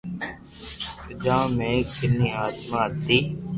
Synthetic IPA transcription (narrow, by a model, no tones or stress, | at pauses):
pəd͡ʒãːmẽːkɪniːaːd̪mãːt̪iː